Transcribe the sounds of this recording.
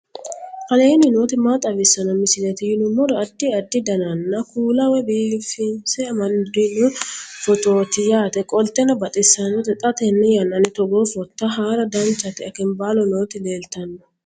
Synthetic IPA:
kɐle̞ːnɪnoːt̪ɪmat̪ʼɐbɪsːɐnɐmɪsɪlɛt̪ɪjɪnʊmːɔd̪ɐɐd̪ːɪɐd̪ːɪd̪ɐnɐnːɐkuːlɐwɛbiːfɪnsɛɐmɐnd̪ɪnʊfɔt̪o̞ːt̪ɪjaːt̪ɛkʼɔlt̪ːɛnɐbɐt̪ʼɪsːɐnɔt̪ɛt̪ʼɐt̪ɛnːɛjɐnːɐnɪt̪ɔɡoːfɔt̪ːɐɦaːɾɐd̪ɐnt͡ʃːɐt̪ɪɐkɪnbaːlɔnoːt̪ɪleːlt̪ɐnːɔ̥

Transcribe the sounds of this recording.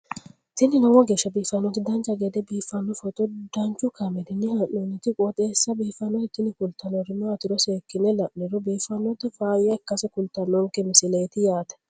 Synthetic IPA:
t̪ɪnːɪnɐwɔɡeːʃːɐbiːfːɐnːɔt̪ɪd̪ɐnt͡ʃːɐɡɛd̪ɛbiːfːɐnːɔfɔt̪ʼɔd̪̥ɐnt͡ʃːʊkʰɐmɛd̪ɪnːɪhanːɔnːɪt̪ɪkʼɔt̪ʼeːsːɐbiːfːɐnːɔhɪt̪ːɪnɪkʊlt̪ɐnɔɾɪmaːt̪ɪɾɔseːkːɪnɛlɐʔnɪɾɔbiːfɐnːɔt̪ɪfaːjɛkːɐsɛkʊlt̪ɐnːɔŋkɛmɪsɪleːt̪ɪjaːt̪ɐ̥

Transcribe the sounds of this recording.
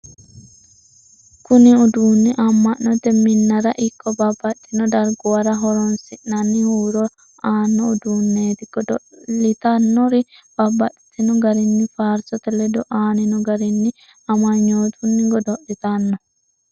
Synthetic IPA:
kuniud̪unːiʔɐmːɐnːɔt̪ɛmɪnːɐɾaʔɪkʰːɔbɐbːɐtːinɔd̪ɐɾɡɔwaɾɐɦɔɾɔnsɪʔnɐnːihuːɾɔ | aːnːɔud̪uːnːeːt̪iɡɔdɔlɪt̪ɐnːɔɾib̥ɐbːɐt̪ːɪ̥t̪inɔɡɐɾɪnːɪfaːɾsɔt̪ɛlɛd̪ɔʔaːnɪnɔɡɐɾɪnːɪ | ɐmaɲːoːt̪unːɪɡɔd̪ɔʔit̪anːɔ

